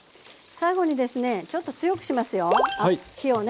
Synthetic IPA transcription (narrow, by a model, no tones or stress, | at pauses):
saiɡo̞ɲ̟id̪e̞sɨne̞t͡ɕo̞t̪ːo̞t͡sɨjo̞kɯ̟ɕimasɨjo̞çio̞n